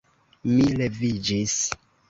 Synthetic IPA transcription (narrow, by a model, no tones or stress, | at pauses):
milevid͡ʒis